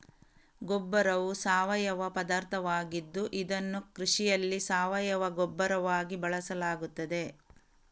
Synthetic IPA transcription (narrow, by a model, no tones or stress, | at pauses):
ɡɔbːɐɾɐʋusaːʋɐjɐʋɐpɐd̪aːɾt̪ʰɐʋaːɡid̪ːuʔid̪ɐnːukɾiʂijɐlːisaːʋɐjɐʋɐɡɔbːɐɾɐʋaːɡibɐɭɐsɐlaːɡut̪ːɐd̪e̞